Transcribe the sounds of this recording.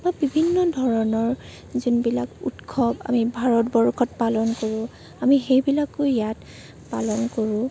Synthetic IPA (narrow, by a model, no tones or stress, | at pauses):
mɔbibʱinːɔdʱɔɹɔnɔɹ | zunbila̰kṵtkʰɔba̰mibʱaɹɔtbɔɹkʰɔtpalɔnkoɹʊ̃ | amixejbilakojat | palɔnkoɹʊ̃